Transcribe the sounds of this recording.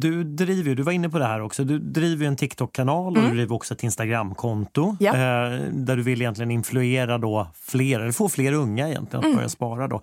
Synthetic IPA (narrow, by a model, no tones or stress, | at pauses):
d̪ɵd̪ɾiːvəɾjɵd̪ɵvaɾɪnːəpʰɔd̪ɛɦæːɾɔksɔd̪ɵd̪ɾiːvəɾjɵɛnt̪ʰɪkːt̪ʰɔkʰːanɑːlɔd̪ɵd̪ɾiːvəɾɔksɔɛt̪ɪnst̪aɡɾamːkʰɔnt̪ʊ | d̪æɖɵvɪlːɪjɛnt̪lɪɡənɪnflɵeːɾad̪ɔfleːɾɛlːəɾfoːfleːɾɵŋːaɛjɛ̰nt̪lɪənab̰ɾja̰spɑːɾad̪ɔ̰